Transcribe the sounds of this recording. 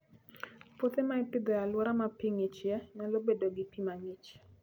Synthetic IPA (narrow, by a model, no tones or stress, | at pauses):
pot̪emaɪpɪɡɔjalwɔɾamapiŋɪt͡ʃjɛnalobedoɡɪpimaŋɪt͡ʃ